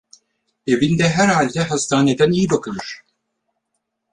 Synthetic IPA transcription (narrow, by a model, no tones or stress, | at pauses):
e̞vind̪ɛɦæɾhalʲd̪ɛɦast̪ʰaːned̪ænijibakʰɯlˠɯɾ̥